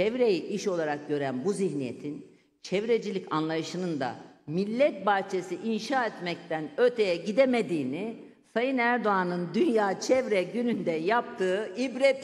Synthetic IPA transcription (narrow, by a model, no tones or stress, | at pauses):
t͡ʃʰɛvɾejiʔiʃo̞lˠaɾak̚ɟø̞ɾænbuziçnijet̪ʰin | t͡ʃʰɛvɾed͡ʒilʲicanlˠajɯʃɯnɯnd̪a̰milʲːɛt̪̚baɾt͡ʃʰesiʔinʃaːɛt̪mɛc̚t̪ʰænø̞ɾt̪ʰe̞jɛɟid̪emed̪iːni | sajɯnæɾd̪oanɯnd̪ynjaːt͡ʃʰɛvɾɛɟynynd̪ɛjap̚t̪ʰɯːibɾɛt̪